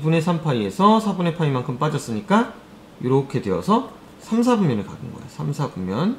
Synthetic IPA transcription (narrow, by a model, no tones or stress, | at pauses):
bune̞sʰampʰaie̞sʰʌsʰabune̞pʰaimankʰɯmp͈ad͡ʑʌs͈ɯɲik͈a | juɾokʰe̞dwe̞ʌsʰʌ | sʰamsʰabumjʌnɯɭka̰ɡɯnɡʌḛosʰamsʰabumjʌn